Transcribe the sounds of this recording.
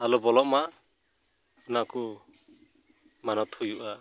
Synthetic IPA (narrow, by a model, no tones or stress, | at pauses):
alubɔlɔʔma | naku | manɔt̪hujuʔa